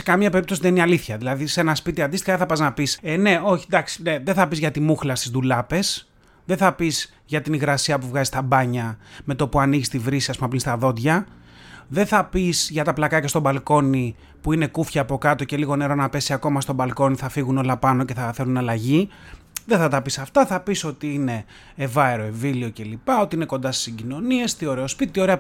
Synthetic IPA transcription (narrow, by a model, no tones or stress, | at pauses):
sekɐmɲɐpe̞ɾip̚t̪o̞siðeniɐliθçɐðilɐðisenɐspit̪iɐnd̪ist̪i̥xɐðeθɐpɐznɐpisene̞o̞çi̥d̪ɐksi̥neðeθɐpizʝɐt̪imuxlɐst̪izd̪ðulɐpe̞s | ðenθɐpiz | ʝɐt̪iniɣɾɐsiɐpuvɣɐzist̪ɐbɐɲɐme̞t̪opuɐniʝist̪ivɾisiɐspumɐpɾinst̪ɐðo̞d̪ʝɐ | ðe̞θɐpisʝɐt̪ɐplɐkɐcɐst̪o̞bɐlko̞ni | puine̞kufçɐːpo̞kɐt̪o̞ce̞liɣo̞ne̞ɾo̞nɐpe̞siɐko̞mɐst̪o̞bɐlko̞niθɐfiɣuno̞lɐpɐno̞ceθɐθe̞lunɐlɐʝi | ðeθɐt̪ɐpisɐft̪ɐθɐpiso̞t̪iine̞ː | vɐeɾo̞evilio̞ce̞lipɐo̞t̪iine̞ko̞nd̪ɐsi̥siɟino̞nie̞st̪io̞ɾe̞ospit̪it̪io̞ɾe̞ɐ